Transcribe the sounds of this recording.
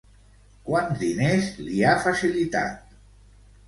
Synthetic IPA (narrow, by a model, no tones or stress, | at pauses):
kwanzd̪inezliafasilit̪a̰t̪̚